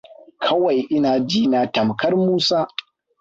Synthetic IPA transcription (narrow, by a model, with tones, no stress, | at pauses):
kʰɐ˦wa˨jʔɪ˦naː˨d͡ʒiː˦na˨tɐ˨mkɐ˦rmuː˦saː˦